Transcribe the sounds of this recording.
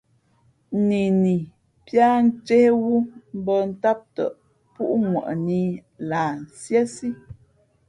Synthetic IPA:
ni˨ni˨ | pja˦n̩˦t͡ʃe˦hwu˦m̩˦bə˦n̩˦ta˦p̚tə̰˨ʔ | pu˦ʔŋwə̰˨ʔni˦ | la˨n˨sjɛ˦si˦

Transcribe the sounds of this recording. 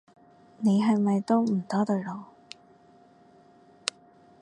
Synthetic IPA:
ne˨˧jɦɐ˨jmɐ˨jt̪o˥wm̩˨˩t̪ɔː˥t̪ɵ˨˧lo˨˧w

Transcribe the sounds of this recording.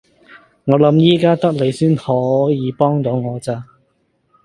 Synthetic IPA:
ŋɔː˨˧lɐ˨˥mjiː˥kaː˥t̪ɐ˥k̚le˨˧jsyː˥nhɔː˨˥jiː˨˧pɔː˥ŋt̪o˨˧˥wŋɔː˨˧t͡saː˧˥

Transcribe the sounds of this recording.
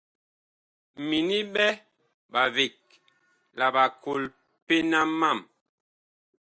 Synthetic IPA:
mi˨ni˦bɛ˦ | ba˨vi˨k̚ | la˨ba˨kʰo˨l | pe˦na˦ma˦˨m

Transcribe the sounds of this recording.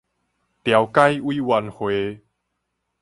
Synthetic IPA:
t̪ja˨˦wka˦jwiː˦wa˧˦nhwe˨˦

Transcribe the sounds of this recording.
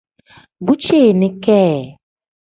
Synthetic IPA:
bu˦t͡ʃe˦˨nɪ̃˦kɛː˦˨

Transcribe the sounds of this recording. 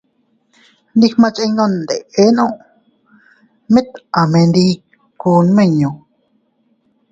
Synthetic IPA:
nd̪i˧hmã˧t͡ʃʔe˧nõ˧˨nd̪e˨e˦nõ˦˨ʔ | mẽ˦t̪ʔa˨mẽ˧nd̪i˧˦ | kuː˧n˧mẽ˦˧˨ɲõ˨

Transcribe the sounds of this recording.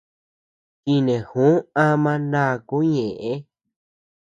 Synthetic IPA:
ki˧nẽ˨hũ˨˦a˦mã˧nã˦˨ku˦ɲẽ˨ʔẽ˦

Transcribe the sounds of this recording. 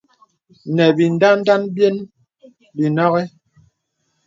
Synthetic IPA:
nɛ˨bi˨n˨da˦n˦da˦nbje˦n | bi˨nɔ˦ɣɛ˦

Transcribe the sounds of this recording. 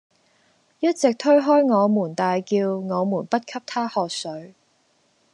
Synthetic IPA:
jɐ˥t̚t͡sɪ˨k̚t̪ʰɵ˥ɥɦɔː˥jŋɔː˨˧muː˨˩nt̪aː˨jkiː˧wŋɔː˨˧muː˨˩npɐ˥t̚kʰɐ˥p̚t̪ʰaː˥hɔː˨k̚sɵ˨˥ɥ

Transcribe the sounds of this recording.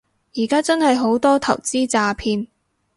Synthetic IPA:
jiː˨˩kaː˥t͡sɐ˥nhɐ˨jɦo˨˥wt̪ɔː˥t̪ʰɐ˨˩wt͡siː˥t͡saː˧pʰiː˧n

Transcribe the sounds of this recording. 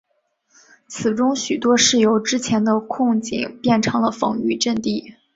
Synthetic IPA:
t͡sʰɹ̩˨˩ʈ͡ʂʊ˥ŋɕy˨˩t̪wɔ˥ʂɻ̩˥˩jo˧˥ʊʈ͡ʂɻ̩˥t͡ɕʰjɛ˧˥nd̪ə˧kʰʊ˥˧ŋt͡ɕḭ˥˩ŋpjɛ˥˩nʈ͡ʂʰɤ˧˥ŋlə˧fɤ̰˧˥ŋy˥˧ʈ͡ʂə˥˧nt̪i˥˩

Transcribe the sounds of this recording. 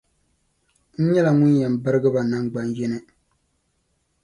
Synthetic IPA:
n̩˦ɲɛ˦la˨ŋʊ˦njɛ˨m˨bɨ˦ɾɨ˦ɡɨ˦ba˨na˦ŋɡ͡ba˨njɛ˦nɨ˦

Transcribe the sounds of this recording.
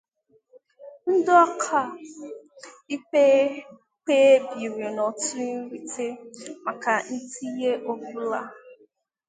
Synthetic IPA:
n̩˦dɔ˦kʰa˦˨ | i˦k͡pe˦ | k͡pe˦e˦bi˨ɾe˨nɔ˨tu˦ɾi˨te˦ma˨ka˨n̩˦ti˦je˦ʔo˦bu˦la˦

